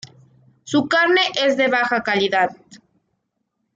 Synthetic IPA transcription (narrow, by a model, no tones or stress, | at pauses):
sukaɾne̞ʔe̞zðe̞βaxakaliðað